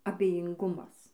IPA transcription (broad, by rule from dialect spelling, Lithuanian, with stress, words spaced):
ɐbʲɛjɪŋˈɡʊmɐs